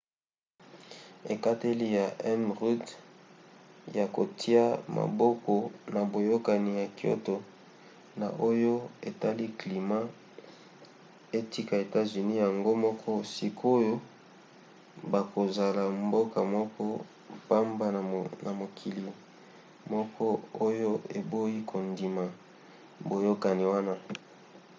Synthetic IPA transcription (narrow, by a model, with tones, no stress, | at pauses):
e˨ka˦te˦li˦ja˨ʔɛ˦nʁu˦d | ja˨ko˨tʰi˦a˦ma̰˨bɔ˦kɔ˨na˨bo˨jo˦ka˨ni˨ja˨kjo̰˦to˨ | na˨ʔo˦jo˦e˨ta˦li˦kli˨ma˦ | e˦ti˦ka˨e˨ta˦zy˨ni˦ja˨ŋɡo˦mɔ˦kʰɔ˦si˨kʰo˦jo˦ | ba˨ko˨za˨la˨mbo˦ka˨mɔ˦kɔ˦ | pa˦mba˦˨na˨mo˨kʰi˨li˨ | mɔ˦kʰɔ˦o˦jo˦e˨bo˦ji˦kʰo˨ndi˨ma˨ | bo˨jo˦ka˨ni˨wa˦na˦